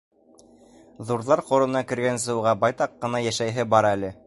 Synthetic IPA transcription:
ðuɾðɑɾqŏɾɤ̆nɑkɘ̆ɾɡæns̬ɤ̆wʁɑbɑjt̪ɑqːɤ̆nɑjæʃæjɦɘbɑɾælɘ

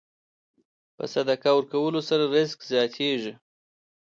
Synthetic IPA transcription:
pə̰sad̪akawəɾkawəlosaɾaɾɪskzjɑt̪ʰeʐi

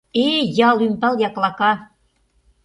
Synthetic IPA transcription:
ejɑlympɑljɑklɑkɑ

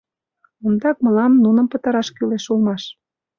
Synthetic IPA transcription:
ond̪ɑk̚məlɑmnunə̆mpət̪ə̆ɾɑʃkyleʃulmɑʃ

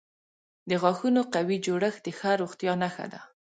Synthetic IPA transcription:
d̪əɣɑxunoqawid͡ʒoɽəxd̪əxaɾoɣt̪jɑnaxa̰d̪a̰

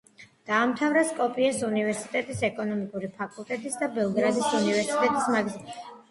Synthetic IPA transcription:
d̪̥aːmt̪ʰavɾaskʼɔpʼiɛsunivɛɾsi̥t̪ʼɛt̪ʼisɛkʼɔnɔmikʼuɾipʰakʼulˠt̪ʼɛt̪ʼisd̪abɛlˠɡɾad̪isunivɛɾsit̪ʼɛt̪ʼismaɡz

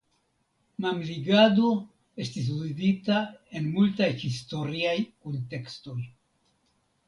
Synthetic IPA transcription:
mamliɡado̞ | e̞stis̬uziditae̞nmultajhisto̞ɾiajkonte̞ksto̞j

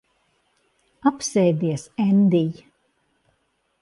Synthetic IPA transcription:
apsɛjd̪iɛsɛnd̪ij

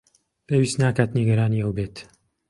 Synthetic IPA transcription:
pʰeːwiːst̪naːkaːt̪niɡɐɾaːniːəwbeːt̪

